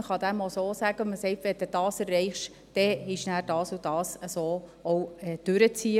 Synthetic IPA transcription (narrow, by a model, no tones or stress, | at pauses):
əχɑd̪æmosoːsæɡənməsɛɪtʋɛd̥ɛd̥ɑːsɛrːɛɪχʃ | d̥ɛɪʃnæːɾd̥ɑːsud̥ɑːsəsoːowɛd̥ʉɾət͡siə